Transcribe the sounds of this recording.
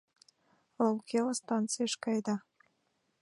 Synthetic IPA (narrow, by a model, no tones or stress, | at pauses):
olˠkelˠəst̪ɑnt̪t͡sɨjɑʃkɑjd̪ɑ